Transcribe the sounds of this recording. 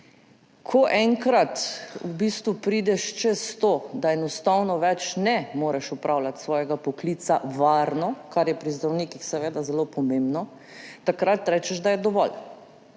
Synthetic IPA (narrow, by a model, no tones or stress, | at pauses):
kʰɔʔɛŋkɾat̪ubiːst̪ʋupɾid̪ɛʃt͡ʃɛst̪od̪aɛnɔst̪awnɔʋɛt͡ʃnɛmoːɾɛʃupɾʔawlat̪sʋɔːjɛɡapɔkliːt̪saʋaɾnɔkaɾjɛpɾizd̪ɾawniːkixsɛʋeːd̪azɛlopɔmembnɔ | t̪akɾat̪ɾɛt͡ʃɛʒd̪ajɛd̪ɔʋɔl